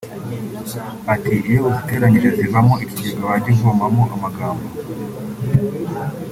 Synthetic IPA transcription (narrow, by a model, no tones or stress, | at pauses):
atʰiʔijouɡute̞ːɾamiɾaziβamoiɾsiːɡaβaɟivombamoʔamaɡaːmbo